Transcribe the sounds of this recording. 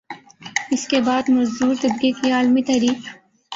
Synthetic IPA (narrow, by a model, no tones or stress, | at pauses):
ɪskebaːd̪mɐzd̪uːɾt̪ɐb̚ɡekiaːlmit̪ɐɾiː